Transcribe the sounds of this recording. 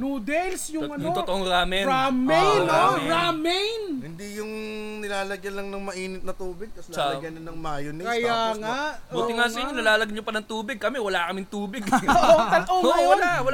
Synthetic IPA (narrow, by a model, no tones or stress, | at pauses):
nuːd̪ɛlsjʊŋɐnjʊŋt̪ot̪oʔoŋɾaːmɛamɛjnoɾamɛjnhɪnd̪ijʊŋnɪlaːlɐɡjɐlɐŋnɐŋmɐʔiːnɪt̪nɐt̪uːbɪɡ̚ɐsalɐɡjɐnɐnɐŋmaːjonɪkɐjaŋabuːt̪ɪŋas̬ɐʔɪɲonɐlaːlɐɡɐɲopɐnɐŋt̪uːbɪɡ̚kɐmɛwɐlakɐmɪŋt̪uːbɪɡot̪ɐlʔooʔwɐlawɐl